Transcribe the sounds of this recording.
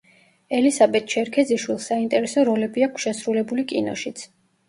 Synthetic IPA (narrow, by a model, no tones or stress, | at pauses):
ɛlisabɛt̪̚t͡ʃʰɛɾkʰɛd̪ziʃwilˠsaint̪ʼɛɾɛsɔɾɔlɛbiakʰʃɛsɾulɛbulikʼḭnɔ̰ʃit̪sʰ